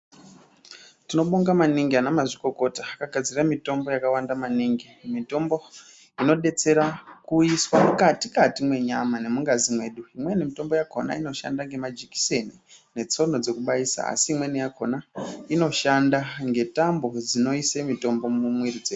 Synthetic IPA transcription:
tino̞ɓoŋɡamaniŋɡianamaʐiko̞ko̞taːkaɡʱad͡ziramito̞mbo̞jakawandamaniŋɡimito̞mbo̞ | ino̞ɗe̞t͡se̞ɾakuiswamukatikatimwe̞ɲamane̞muŋɡazimwe̞ːɗuimwe̞nimito̞mbo̞jako̞na̰ino̞ʃa̰ndaŋɡe̞mad͡ʒiki̥se̞nine̞t͡so̞no̞d͡ze̞kuɓaisa̰a̰siːmwenijakʰo̞naino̞ʃandaŋɡe̞tambo̞d͡zino̞isemito̞mbo̞mumwirid͡zeː

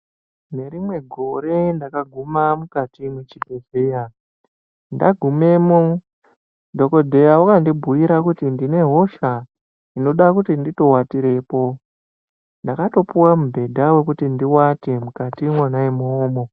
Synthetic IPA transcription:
ne̞ɾimwe̞ɡʱo̞ɾe̞ndakaɡʱumamukatimwet͡ʃibʱeze̞ja | nda̰ɡʱume̞ːmo | dʱo̞ko̞dʱe̞jawakandibʱujiɾakutindine̞ɦo̞ʃa | ino̞ɗakutindito̞watiɾe̞ːpo̞ | ndakato̞puwamubʱe̞dʱawe̞kutindiwate̞mukatimwanaemoːmo

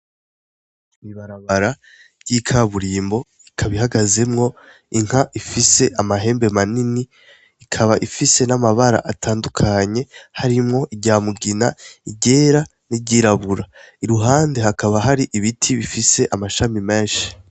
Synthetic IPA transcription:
imiβaɾaβaɾa | jikʰaβuɾiːmbo̞ | ikʰaβiɦaɡaze̞mŋo̞ | iŋ̥haʔifise̞ʔamaɦe̞ːmbe̞maniniː | kʰaβaʔifise̞namaβaɾa̰ʔatʰaːndukʰaɲe̞haɾimŋo̞ʔiɟaːmuɡinaiɟe̞ːɾa | niɟiɾaβuɾa | iɾuɦaːnde̞hakaβaɦaɾiʔiβitʰiβifise̞ʔamaʃamimeːnʃi̥

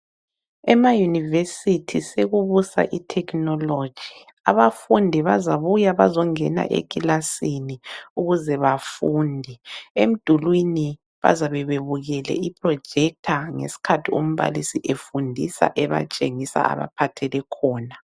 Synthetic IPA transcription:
ɛmajunivesitʰiseɣuβusa̰ʔitʰɛkʰʼnɔlo̥d͡ʒ̥ʱi | a̰βafundʱiβazaβujaβazɔŋɛna̰ʔḛkʼilasiniuɣuzɛβafuːndʱiem̩d̥ʱulwini | βa̰zaβɛβeβuɣɛlɛ̰ipʰrɔ̥d͡ʒ̥ʱɛk̚tʰaŋḛsi̥kʰatʰiṵm̩βa̰lisiʔefundʱisa̰ʔɛβa̰t͡ʃʼeŋisa̰a̰βa̰pʰatʰɛlɛkʰɔːna

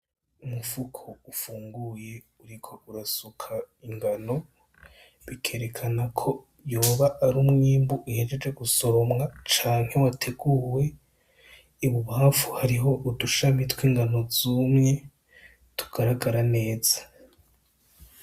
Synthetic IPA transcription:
umufukʰoufuːŋɡuje̞ | uɾikʰo̞uɾasukʰa | iŋɡano̞ | βikʰe̞ɾe̞kʰanakʰo̞ | joːβaʔːɾumŋiːmbuʔihed͡ʒe̞d͡ʒe̞ɡuso̞ɾo̞mŋat͡ʃaːŋhe̞watʰe̞ɡuːwe̞ | iβuβaaːfuhaɾiɦo̞ʔuduʃamitwiːŋɡano̞zuːmɲe̞ | tʰu̥ɡ̥aɾaɡaɾane̞ːz̥ḁ

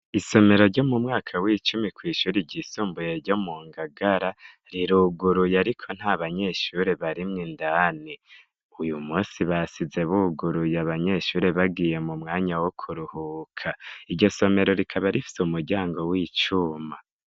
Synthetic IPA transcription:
iso̞me̞ɾo̞ɾɟo̞mumŋaːkʰawit͡ʃumikwiːʃuːɾiɟisuːmbujeɾɟo̞muːŋɡaɡaɾa | ɾiɾuɡuɾujaɾikʰo̞n̥haβaɲe̞ʃuɾe̞βaɾimŋindani | ujumuːnsiβasize̞βuɡuɾujaβaɲe̞ʃuːɾe̞βaɡiːje̞mumŋaːɲawokʰuɾuhuːkʰaiɾɟo̞so̞me̞ɾo̞ɾikʰaβaɾifi̥seumuɾɟaːŋɡo̞wiːt͡ʃuma

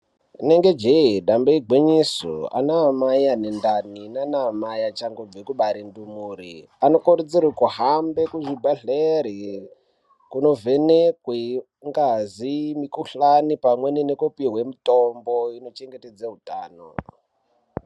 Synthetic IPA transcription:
neŋɡed͡ʒeiɗambeiɡweɲiso̰a̰namaijanendaninanamajat͡ʃaŋɡob͡vekuɓaɾindumuɾi | ano̞koɾud͡zirwekuɦambekuʐibʱaɮeɾi | kuno̞ve̞nekwe | ŋɡazimikuɬanipamweninekupiɦwemitomboino̞t͡ʃeŋɡeted͡zaɦutaːno̰

